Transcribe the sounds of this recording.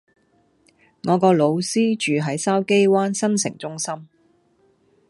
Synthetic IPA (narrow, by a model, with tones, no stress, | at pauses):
ŋɔː˨˧kɔː˧lo˨˧wsiː˥t͡ʃyː˨ɦɐ˨˥jsɐː˥wke˥jwaː˥nsɐ˥nsɪ̰˨˩ŋt͡sʊ˥ŋsɐ˥m